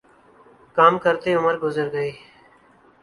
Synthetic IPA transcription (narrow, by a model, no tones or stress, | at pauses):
kaːmkəɾt̪eːʊməɾɡʊzəɾɡəeː